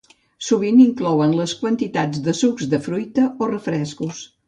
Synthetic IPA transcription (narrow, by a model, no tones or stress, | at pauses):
suβ̞iniŋklɔwənləskwənt̪it̪ad͡zd̪əsukzd̪əfɾujt̪əorəfɾɛskus